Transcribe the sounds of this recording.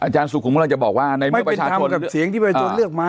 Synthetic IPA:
ʔaː˧˩t͡ɕaː˧nsu˨˩kʰːm˦˧˥la˧ŋt͡ɕa˨˩ɓɔː˨˩k̚waː˥˧˩na˧jm˧˩˥pɾa˧˩t͡ɕʰaː˧t͡ɕʰo˧nka˨˩si˨˩˦əŋt̪ʰiː˥˩pːa˧oː˧˩nlɯ˥˩ək̚ma˦˥

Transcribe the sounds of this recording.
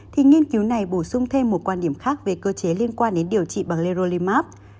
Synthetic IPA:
t̪ʰi˨˩ŋi˧ənki˨˦wna˨˩jɓo˧˩sʊ˧ŋ͡mt̪ʰe˧mːo˨˩t̚kwaː˧nɗi˧˩əmxaː˦˥k̚ve˨˩kəː˧t͡ɕe˨˦li˧ənkwaː˧nɗe˨˦nɗi˨˩əwt͡ɕḭ˧˨ɓaː˨˩ŋle˧zo˧li˧maː˦˥p̚

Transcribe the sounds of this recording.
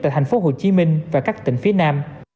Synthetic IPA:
aː˧˨jt̪ʰjŋ̟fo˨˦ɦo˨˩t͡ɕi˨˦mï˧ŋ̟vaː˨˩kaː˦˥k̚t̪ï˧˨˩ŋ̟fi˨˦ənaː˧m

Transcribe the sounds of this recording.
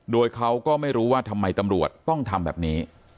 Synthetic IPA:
doː˧jkʰa˦˥wkɔː˥˩ma˥˩jɾuː˦˥waː˥˩t̪ʰa˧mːa˧jt̪a˧mɾu˨˩ət̪ːɔ˥˩ŋt̪ʰa˧mbɛ̰ː˨˩p̚niː˦˥

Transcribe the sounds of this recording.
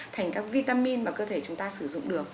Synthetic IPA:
t̪ʰa˨˩jŋ̟kaː˦˥k̚vi˧t̪aː˧mi˧nmaː˨˩kəː˧t̪ʰe˧˩t͡ɕʊ˨˦ŋ͡mt̪aː˧sɨ˧˩zʊ̰˧˨ŋ͡mɗɨ˨˩ək̚

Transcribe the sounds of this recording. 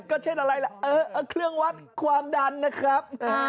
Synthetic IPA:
kɔ˧˨˦t͡ɕe˧˦˥ɗa˨˩la˧jlaː˨˩ʔəː˧˦ʔəː˧˩kʰlɨ˧əŋwaː˦˥t̚kʰwaː˧˩nɗaː˨˧˩nːɨ˨˧˦xaː˦˥p̚

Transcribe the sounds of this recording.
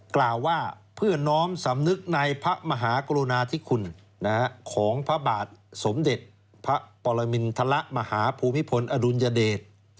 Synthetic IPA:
klaː˨˩wːaː˥˩pʰɯ˥˩ɐnɔː˦˥msa˩˦mnɯ˦˥k̚na˧jpʰa˦˥ʔma˧ɦaː˩˦kɔ˧ɾo˧naː˧t̪ʰi˦˥˩kʰu˧nː | a˦kʰa˦˥kʰɔː˩˦ŋpʰa˦˥baː˨˩t̪̚so˩˦mde˨˩t̪̚ | pʰa˦˥ʔpɔː˧la˧mi˧nt̪ʰa˧la˦˥ʔma˧haː˩˦pʰuː˧mːi˦˥pʰo˧nʔa˧du˧njaː˧deː˨˩t̪̚

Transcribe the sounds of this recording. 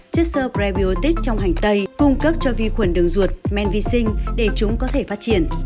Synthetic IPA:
t͡ɕɨ˦˥k̚səː˧pɾɛ˧vi˧˨o˧t̪i˦˥k̚t͡ɕɔ˧wŋ͡mɦa˨˩jŋ̟t̪ə˧jkʊ˧ŋ͡mkə˦˥p̚t͡ɕɔ˧vi˧xwə˧˩nɗɨ˨˩əŋzu˨˩ət̚mɛ˧˨nvi˧sï˧ŋ̟ɗe˧˩t͡ɕʊ˨˦ŋ͡mkɔ˨˦t̪ʰe˧˩faː˦˥t̚t͡ɕi˧˩ən

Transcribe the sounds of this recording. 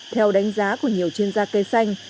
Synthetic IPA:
t̪ʰɛ˧wɗa˨˦jŋ̟zaː˨˦ku˧˩əɲi˨˩əwt͡ɕwi˧ənzaː˧ke˨˦sa˧jŋ̟

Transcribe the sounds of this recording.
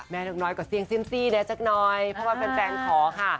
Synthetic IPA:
mɛː˧nɔː˨˩k̚nɔː˨˧˩jkɔː˧˩si˧əŋsi˥˩ə˨msiː˥˩nɛː˦˥t͡ɕa˦˩k̚nɔː˧jpʰɾɔ˦˥waː˧pe˧npɛː˧ŋkʰɔː˩˦kʰa˥˩

